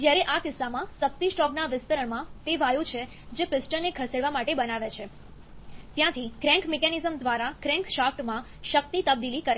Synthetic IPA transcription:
d͡ʒjaɾeʔakɪsːamãsək̚t̪isʈɔknaʋɪst̪əɾəɳmãt̪eʋajũt͡ʃʰe | d͡ʒepɪsʈəɾnekʰəseɽʋamaʈebənaʋet͡ʃʰe | t̪jãt̪ʰikɾɛ̃ŋkmekanizəmd̪ʋaɾakɾɛ̃ŋkʃafʈmã | ʃək̚t̪it̪əb̚d̪ilikəɾe

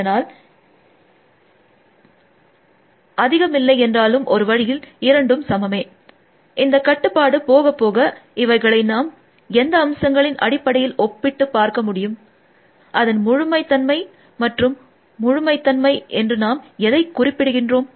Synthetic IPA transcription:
ɐnaːl | ɐðɪɣɐmɪlːɐɪɛndraːlɯmʔɔɾɯʋɐɻɪjɪlɪɾɐɳɖɯmsɐmɐmeː | ʔɪnd̪ɐkːɐʈːɯpːaːɽɯpoːɣɐpːoːɣɐɪʋɐɪɣɐɭɐɪnaːm | ɛnd̪ɐːmsɐŋɡɐɭɪnʔɐ̰ɽɪpːɐɽɐjɪlɔpːɪʈːɯpːaːɾkɐmʊɽɪjɯm | ʔɐðɐnmʊɻʊmɐɪt̪ːɐnmɐɪ | mɐʈrɯmː | ʊɻʊmɐɪt̪ːɐnmɐɪʔɛndrɯnaːmɛðɐɪkːʊrɪpːɪɽɯɣɪndroːm

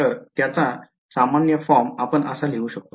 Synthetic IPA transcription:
əɾt̪jat͡sa | samanjəfɔɾmapəɳəsaleuɕək̚t̪o

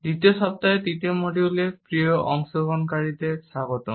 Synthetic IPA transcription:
ditiɔsɔp̚tajetitiɔmodiulɛpɹijɔʔɔŋsɔɡɔnkaɹitɛsaɡɔtɔ

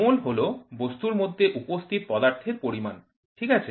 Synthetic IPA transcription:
olɦolobost̪uɾmod̪ʱːeʔupost̪ʰit̪̚pɔd̪aɾt̪ʰeɾpoɾima̰n | ʈʰikat͡ɕʰe

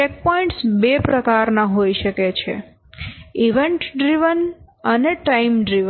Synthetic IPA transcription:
t͡ʃek̚pɔĩɳʈsbepɾəkaɾnaɦoiʃəket͡ʃʰḛ | iʋeɳʈɖɾiʋən | əneʈaimɖɾiʋə

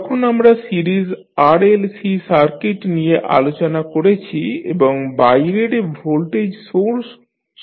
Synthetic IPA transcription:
ɔkʰonamɾasiɾiz | aɾelsisaɾkeʈnijeʔa̰lot͡ɕonakoɾet͡ɕʰiḛboŋbajɾeɾebʱolʈed͡ʑsoɾs

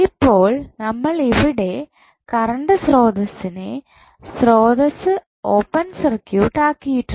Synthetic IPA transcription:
ipːo̞ːɭnɐmːɐɭiʋiɽe̞ | kɐɾɐɳɖɨsro̞ːd̪ɐsːine | sro̞ːðɐsɨ | oːpːɐnsɐrkjuːʈːaːkːijiʈːu

